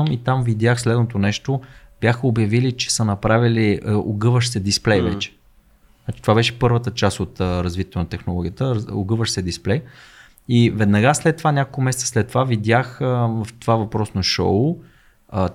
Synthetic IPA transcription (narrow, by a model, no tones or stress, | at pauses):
mit̪amvid̪ʲjaxslɛd̪not̪onɛʃt̪ob̥jaxəobjɐvilit͡ʃɛ̥sənɐpɾaviliəoɡɤvəʃsɛd̪isplɛjvɛ̰t͡ʃɛ̥ | znat͡ʃi̥t̪ovabɛʃɛ̥pɤɾvət̪ət͡ʃast̪ot̪ːɾɐzvit̪ʲə̥t̪onɐt̪ɛxnolˠɔɡʲijət̪əɾo̰ɡɤvəʃsɛd̪isplɛj | ivɛd̪nɐɡaslɛt̪ːovanʲakolˠkʊmɛsɛt̪ə̥slɛt̪ːovavid̪ʲjaxvft̪ovavɐpɾɔsnɐʃo̰ʊ | ə